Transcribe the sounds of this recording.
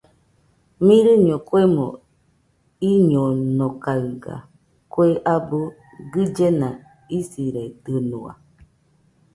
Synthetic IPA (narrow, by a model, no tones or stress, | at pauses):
mĩɾɨɲõkwemõ̰ | iɲonokaɯɡa̰ | kweʔabu | ɡɨd͡ʒenã | isiɾed̪ɨnua̰